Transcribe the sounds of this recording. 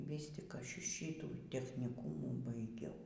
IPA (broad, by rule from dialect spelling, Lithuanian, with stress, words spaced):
ˈʋʲiːs tʲɪk ˈɐʃ ˈʃʲiːtuː tʲɛxʲnʲɪˈkuːmuː bɐɪˈɡʲɛʊ